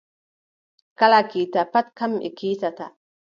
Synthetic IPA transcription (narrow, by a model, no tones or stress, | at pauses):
kalakitapat̪̚kamʔḭkitat̪a